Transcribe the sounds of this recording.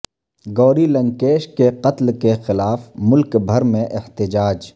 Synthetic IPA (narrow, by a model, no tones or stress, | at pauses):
ɡɔːɾilɐ̃ŋkeːʃkeqɐt̪lkexɪlaːfmʊlkbʱɐɾmẽʔɪht̪ɪd͡ʒaːd͡ʒ